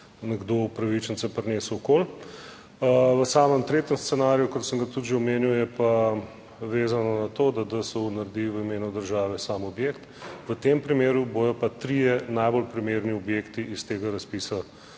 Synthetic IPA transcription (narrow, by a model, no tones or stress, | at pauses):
nɛɡd̪opɾɐʋit͡ʃənsapɾneːsuɔkol | əʋəsaːməmt̪ɾeːt̪əmst̪ɛnaːɾijukɔt̪səmɡɐt̪ud̪ʒɛɔmeːniwjɛpa | ʋeːzanɔnat̪oːd̪ad̪əsɛunɐɾd̪iʋəimeːnud̪əɾʒaːʋɛsaːmɔbjeːkt̪ʋət̪empɾimeːɾubojɔpat̪ɾijɛnajbolpɾimeːɾniɔbjeːkt̪iʔist̪eːɡaɾɐspisa